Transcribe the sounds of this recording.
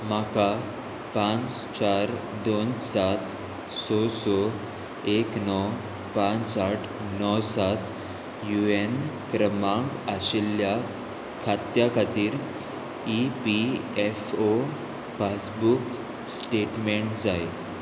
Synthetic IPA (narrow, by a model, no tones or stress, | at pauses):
maka | pãnt͡s | t͡ɕaɾd̪onsat̪ | sɔsɔ | eknɔ | pãnt͡ssaʈʰ | nɔwsat̪ | juenkɾəmãŋɡaɕilja | kʰat̪jakʰat̪iːɾ | ipiefo | fasbuk | sʈeʈmeɳʈd͡zaj